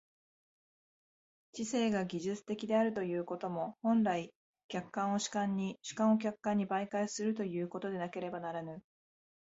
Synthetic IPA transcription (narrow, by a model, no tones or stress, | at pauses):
t͡ɕise̞ːɡaɡʲiʑɨt͡sɨ̥t̪e̞kʲid̪e̞aɾɯ̟t̪o̞jɯ̟ːko̞t̪o̞mo̞hõ̞nɾai | kʲakːãɰ̃o̞ɕi̥kãɲ̟ːiɕɨ̥kãɰ̃o̞k̬ʲakːãɲ̟ːibaikaisɨɾɯ̟t̪o̞jɯ̟ːko̞t̪o̞d̪e̞nake̞ɾe̞banaɾanɯ̟